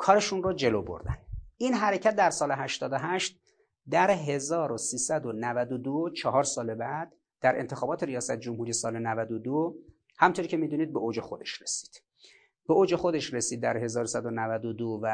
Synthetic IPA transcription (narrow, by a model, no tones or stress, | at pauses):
kʰɒːɾeʃunrod͡ʒe̞loːbo̰ɾd̪æninɦæɾe̞cʰæt̪̚d̪æɾsɒːle̞ɦæʃt̪ɒːd̪oɦæʃt̪̚ | d̪æɾɦe̞zɒːɾosiːsæd̪onævæd̪od̪ot͡ʃʰɒɦɒːɾsɒːle̞bæd̪̥ːæɾʔe̞̰nt̪ʰe̞xɒːbɒːt̪ʰe̞ɾijɒːsæt̪ʰed͡ʒomhuːɾiːe̞sɒːlenævæd̪od̪o | hæmnt̪ʰoɾiːcʰemiːd̪uːniːd̪̚beoːd͡ʒe̞xo̞d̪e̞ʃre̞si̥ːd̪̥ | b̥eoːd͡ʒe̞xo̞d̪e̞ʃɾesiːd̪̚ːæɾɦe̞zɒːɾosæd̪onævæd̪od̪ovæ